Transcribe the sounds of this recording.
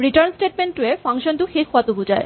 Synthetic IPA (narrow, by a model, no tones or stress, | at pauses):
ɾiʈəɾnsʈeʈ̚meɳʈuefaŋʃond̪ukʰekʰoat̪ubud͡ʑae